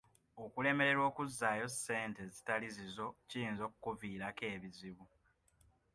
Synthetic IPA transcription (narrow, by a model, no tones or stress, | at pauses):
okule̞me̞ɾe̞ɾwo̞ːkuzːaːjo̞se̞ːnte̞zitalizizo̞cijiːnzo̞ːkukuviːɾake̞ːβiziβu